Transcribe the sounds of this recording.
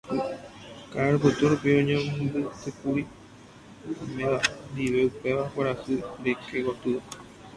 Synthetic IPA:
kaɾɨp̬ɨt̪uɾupiõɲẽmbɨsɨkuɾi | mẽʋand̪iʋeupeʋakʷaɾasɨɾekeɡot̪ɨ

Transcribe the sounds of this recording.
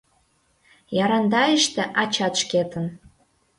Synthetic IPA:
jɑɾɑnd̪ɑəʃt̪eʔɑt͡ɕɑt̪ʃket̪ən

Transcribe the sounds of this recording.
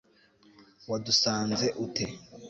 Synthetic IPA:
wadusaːnzeʔute

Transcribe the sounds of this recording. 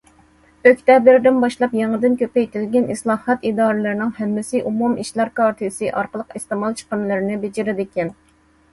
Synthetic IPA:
økʲt̪ɛbɪɾd̪ɪnbɑʃlˠɑpjɑŋəd̪ɪnkʲʰøpɛjt̪ʰɪlɡʲɛnislˠɑːhɑt̪id̪ɑːɾɨlˠɨɾɪnɪŋhɛmːɪsɪʔumumiʃlˠæɾkɑɾt̪ʰɨsɨʔɑɾqəlˠəqist̪ɨmɑlˠt͡ʃʰə̥qəmlˠɨɾɪnɪbed͡ʒɪɾɪd̪ɪkʲɛn

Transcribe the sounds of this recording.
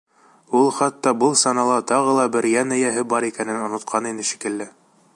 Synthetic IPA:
ulˠχɑt̪ːɑbɤlˠsɑnɑlˠɑt̪ɑʁɤlˠɑbɘɾjænɘ̆jæɦɘbɑɾikænɘnŏnŏt̪̚qʰɑninɘʃi̥kɘ̆lːɘ

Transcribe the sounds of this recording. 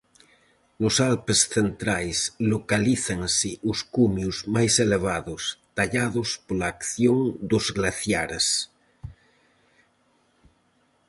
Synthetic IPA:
nosalpesθent̪ɾajslokaliθaŋsɪʔuskumjuzmajseleβ̞aðost̪aʎaðospolaːkθjoŋd̪ozɣlaθjaɾes

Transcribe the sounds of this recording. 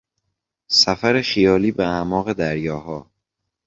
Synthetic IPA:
sæfæɾexijɒːliːbeæmɒːɣe̞d̪æɾjɒːhɒː

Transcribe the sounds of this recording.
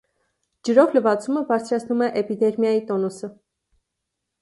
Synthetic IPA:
d͡ʒəɾɔvləvɑt͡suməbɑɾt͡sʰɾɑt͡sʰnumɛʔɛpid̪ɛɾmjɑjit̪ɔnusə

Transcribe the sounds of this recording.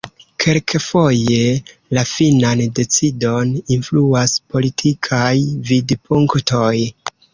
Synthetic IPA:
kʰelkfo̞je̞ | lafinande̞t͡sido̞ninfluaspo̞litʰikʰajvidpʰuŋkto̞j

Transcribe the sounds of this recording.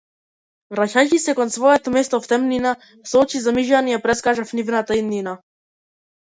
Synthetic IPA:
vɾacacisɛkɔnsvɔɛt̪ɔmɛst̪ɔft̪ɛmnina | sɔt͡ʃizamiʒanijapɾɛskaʒafnivnat̪aid̪nːina

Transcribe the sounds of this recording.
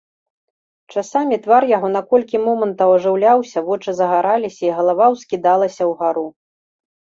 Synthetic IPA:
t͡ʂasamʲit̪varjaɣɔnɐkɔlʲkʲimɔmɐnt̪ɐwɐʐɨwlʲawsʲɐvɔt͡ʂɨzɐɣaɾalʲisʲɐiɣɐlˠavawskʲid̪alˠɐsʲɐwɣaɾu

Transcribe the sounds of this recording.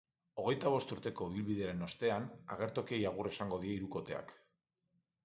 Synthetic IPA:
o̞ɣ̞e̞jt̪aβ̞o̞st̪uɾt̪e̞ko̞βilβiðe̞ɾe̞no̞st̪e̞ana̰ɣ̞e̞ɾt̪o̞ke̞jaɣ̞ure̞saŋɡo̞ðie̞iɾuko̞t̪e̞a̰k

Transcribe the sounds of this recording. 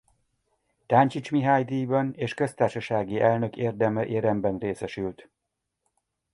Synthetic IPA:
t̪aːnt͡ʃit͡ʃmiɦaːjd̪ijbɒneːʃkø̞st̪aːrʃɒʃaːɡiʔɛlnø̞keːrd̪ɛmɛʔeːɾɛmbɛnreːsɛʃylt̪

